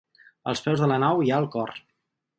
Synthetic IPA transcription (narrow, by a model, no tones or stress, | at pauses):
ə̰lˠspɛwzðələnawiaəlˠkɔr